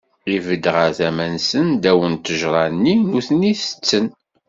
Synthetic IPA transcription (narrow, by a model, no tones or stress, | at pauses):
ivəd̪ʁaθæmænsənd̪æwənt̪əʒɾˤɑnːinuθəniθə̥t͡sːən